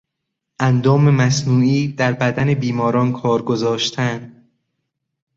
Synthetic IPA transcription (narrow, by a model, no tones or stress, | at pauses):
ʔænd̪ɒːmemæsnuːiːd̪æɾbæd̪æne̞biːmɒːɾɒːnkʰɒːɾɡozɒːʃt̪ʰænd̪